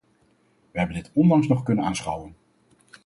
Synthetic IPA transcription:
ʋəɦɛbəndɪtɔndɑŋsnɔχkɵnənaːnsχɑwən

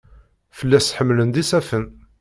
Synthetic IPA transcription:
fəlːæsħəmːlənd̪isæfən

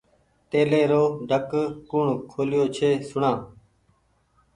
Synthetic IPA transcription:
t̪eːleːɾoːɖʱəkkʊɳkʰoːlɪjoːt͡ʃʰeːsʊɳãː

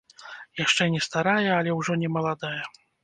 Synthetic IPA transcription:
jaʂt͡ʂɛnʲɛst̪aɾajɛɐlʲɛwʐɔnʲɛmɐlˠad̪ajɐ

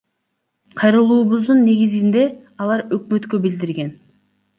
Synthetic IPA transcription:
qʰɑjɾɯlˠuːβuzd̪unːe̞ɡizind̪e̞ | ɑlˠɑɾøkmø̞t̪kø̞bild̪iɾɡe̞n

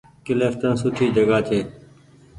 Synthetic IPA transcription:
kɪleːft̪ənsʊʈʰiːd͡ʒəɡaːt͡ʃʰeː

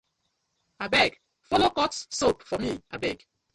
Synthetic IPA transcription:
abɛɡ | fɔlokɔtsopfɔmia̰bɛɡ

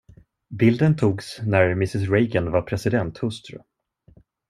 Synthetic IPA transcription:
bɪld̪ənt̪ʰuːɡsnæɾmɪsɪsɾejɡənvaɾpʰɾɛsɪd̪ɛnt̪hɵst̪ɾɵ̰

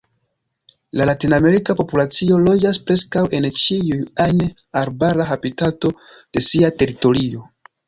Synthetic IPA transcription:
lalatiname̞ɾikapo̞pulat͡sio̞lo̞d͡ʒaspɾe̞skawe̞nt͡ʃiujan | aɾbaɾaɦapitato̞d̥e̞siate̞ɾito̞ɾio̞

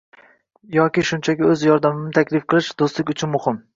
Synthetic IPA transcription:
jɒkʲɪʃʊnt͡ʃʰakʲɪɵzjɒɾd̪amɪnɪt̪ʰakʲlɪfqʰɨlˠɪʃd̪̥ost̪lˠɪkʲʊt͡ʃʰɪnmʊhɪm

